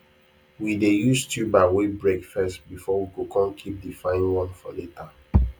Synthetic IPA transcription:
widejustubaɪwebɹɛkfɛstbifɔwikukɔ̃nkʰip̚difãɪnwɔ̃nfɔ̰leta

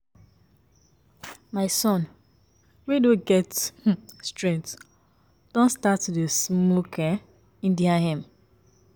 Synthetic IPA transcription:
maɪsɔ̃n | widõɡɛt | stɹɛ̃ŋt | d̥ɔ̃nstatudesmokɛ | ĩndiãhɛ̃m

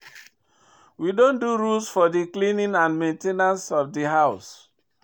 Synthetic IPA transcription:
widõnduɹulsfɔdiklĩnĩnãnmẽntenãnsɔfdiɦaʊs

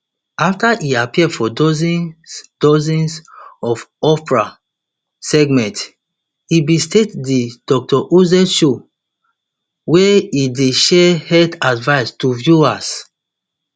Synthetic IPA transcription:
aftaʔiapiɛfɔdɔzid̥ɔzĩnsɔfɔpɹa | sɛɡmɛ̃nt | ibistetdid̥ɔk̚tʰɔʔozɛʃo | wɛideʃɛhɛdadvaɪstuvjuas

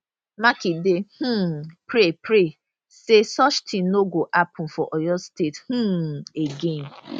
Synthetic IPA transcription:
makidehũpɾepɾe | sesɔt͡ʃtʰĩn̩noɡoʔapʊ̃fɔʔɔjɔstethũeɡen

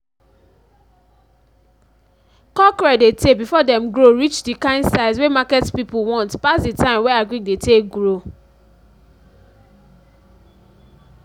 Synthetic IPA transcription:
kɔkɹɛdetebifɔdɛ̃mɡɹoɹit͡ʃdikãɪ̃ndsaɪswemakɛtpipuwɔ̃ntpasditãɪ̃mwɛaɡɹĩkdeteɡɹo

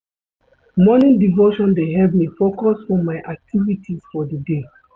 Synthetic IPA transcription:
mɔnĩdivoʃɔ̃ndeɦɛpmifokɔsfɔ̃mːaɪʔak̚tʰivitʰisfɔdide

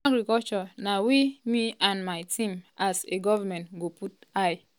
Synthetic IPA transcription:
aɡɾikɔlt͡ʃɔnawimiãnmajtʰĩmaseɡɔvamɛ̃ntɡoput̚aj

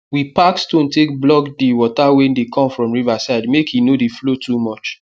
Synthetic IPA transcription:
wipakstõntek̚blɔkdiwɔtawɛ̃ndekʰɔ̃mfɹɔ̃mɹivasaɪdmekʰhinodeflotʰumɔt͡ʃ

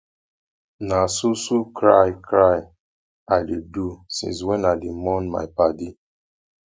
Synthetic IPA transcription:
nasusukɾajkɾaj | aɪdidusḭ̃nswɛnaɪdimɔnma̰ɪpadi

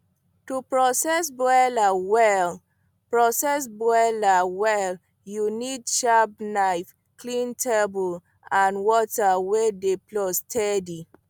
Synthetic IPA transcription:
tupɹɔsɛsbɛlawɛl | pɹɔsɛs̬bɛlawɛl | junidʃapnaɪf | klĩntʰɛbul | ãnwɔtawedeplɔstʰɛdi

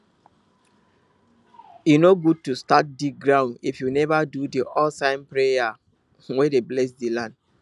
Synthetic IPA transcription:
jinoɡud̚tustat̚dik̚ɡɹãʊ̃ndifjunɛvadudiʔɔsãɪ̃npɹeja | wedeblɛsdilãnd

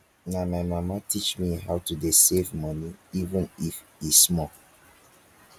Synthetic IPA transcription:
namajmamatit͡ʃmiɦawtudesevmʌniivə̃nif | ismɔ

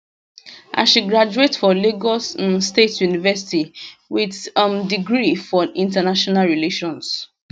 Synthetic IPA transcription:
ʔã̰nʃiɡɹad͡ʒuetfɔliɡɔsmstetjunivɛsi̥tiwiðmdiɡɹifɔĩntanaʃɔnalɹileʃɔ̃ns

